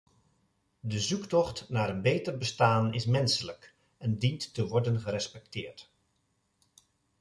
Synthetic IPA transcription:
dəzuktɔχtnaːɾənbeːtərbəstaːnɪsmɛnsələk | ɛndintːəʋɔɹdənχəɾɛspɛk̚tɪːɹt

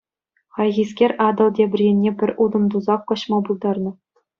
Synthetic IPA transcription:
χɑjɣʲiskʲerʲʔɑd̪ɤ̆lˠdʲebʲɘ̆rʲenʲːepʲɘ̆rʲʔud̪ɤ̆md̪uzɑːɤ̆ɕmɑbulˠd̪ɑrnɤ̆

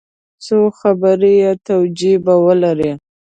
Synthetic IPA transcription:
soxabəɾejet̪awd͡ʒibawəlaɾe

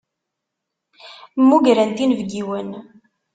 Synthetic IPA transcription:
mːuʝɾænt̪invɡiwən

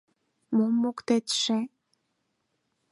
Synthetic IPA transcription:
momːokt̪et̪ʃe

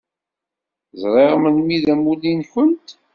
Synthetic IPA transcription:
zˤɾˤeʁmənmiðæmulinçənt̪

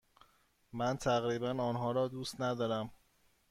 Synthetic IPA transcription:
mænt̪ʰæɣɾiːbænɒːnɦɒːɾɒːd̪uːst̪næd̪ɒːɾæm

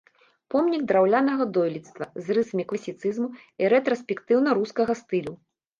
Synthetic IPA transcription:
pɔmnʲiɡ̚d̪ɾawlʲanɐɣɐd̪ɔjlʲit̪st̪vɐzrɨsɐmʲiklˠɐsʲit̪sɨzmuiɾɛt̪ɾɔsʲpʲɛkt̪ɨwnɐɾuskɐɣɐst̪ɨlʲu

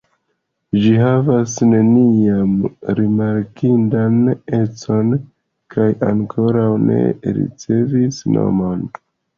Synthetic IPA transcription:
d͡ʒiɦavasne̞niamɾimaɾkindane̞t͡so̞n | kʰajaŋkʰo̞ɾawne̞̰ɾḭt͡se̞visno̞̰mo̞n

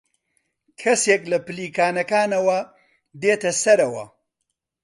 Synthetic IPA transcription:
kʰɐseklɐpɨliːkaːnɐkaːnɐwɐ | d̪eːt̪ɐsɐɾɐwɐ̰

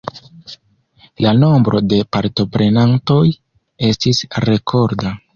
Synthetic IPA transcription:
lano̞mbɾo̞de̞paɾto̞pɾe̞nanto̞j | e̞stisɾe̞kʰo̞ɾda

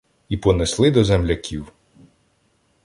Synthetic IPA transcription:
ipɔneslˠɪd̪ɔzɛmlʲɐkʲʰiw

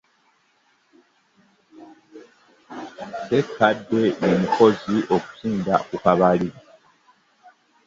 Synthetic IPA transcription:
sekːadːenemikʰo̞ziʔoku̥siːndakukaβali

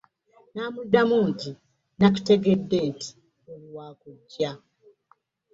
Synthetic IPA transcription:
naːmudːamuːnti | nak̬u̥te̞ɡe̞dːe̞nti̥ | okuwaːkuɟːa

